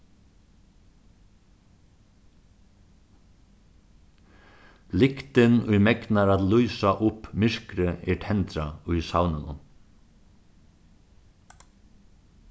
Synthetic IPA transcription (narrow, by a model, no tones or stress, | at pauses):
lɪkt̪ɪnʊjmɛknaɾat̪lujsaʔʊpmɪɹ̥kɾɪɛʈʰɛnt̪ɾaʊjsawnɪnʊ̰